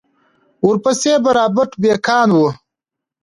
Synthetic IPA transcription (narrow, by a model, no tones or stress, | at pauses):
uɾpɐseːbɐɾaːbɐʈbeːkʰaːnwu